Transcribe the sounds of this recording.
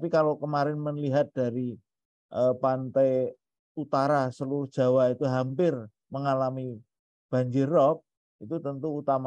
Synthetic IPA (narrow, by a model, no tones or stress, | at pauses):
pikalokəmaɾɪnmənliɦat̪̚d̥a̤ɾi | ʔəpant̪aj | ut̪aɾasəluɾʊhd̥ʒ̥a̤wait̪uɦampɪr | məŋalami | b̥a̤ɲd͡ʒɪrːɔk̚ | it̪ut̪ənt̪uːt̪ama